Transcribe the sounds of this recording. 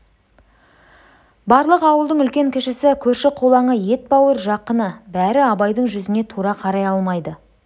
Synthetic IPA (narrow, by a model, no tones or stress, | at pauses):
bɑɾlˠəqɑwəlˠd̪əɴʏlkʲe̞ŋkʲʰɪʃɪsɪkʲʰɵɾʃɪqʰolˠɑɴəje̞t̪̚bɑwəɾʒɑqːənəbæɾɪɑbɑjd̪əɴʒʏzɪne̞t̪ʰuɾɑqʰɑɾɑjɑlˠmɑjd̪ə